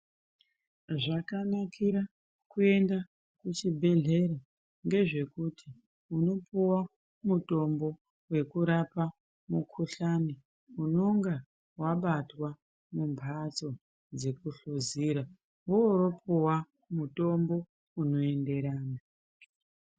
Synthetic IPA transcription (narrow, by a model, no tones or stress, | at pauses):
ʐakanakʰiɾa | kue̞nda | kut͡ʃibʱe̞ɮe̞ɾa | ŋɡe̞ʐe̞kutʰi | uno̞puwa | muto̞mbo̞ | we̞kuɾapa | mukʰuɬani | uno̞ŋɡa | waɓatwa | mumpʰat͡so̞ | d͡ze̞kuɬoziɾa | uoɾo̞puwa | muto̞mbo̞ | uno̞e̞nde̞ɾaːna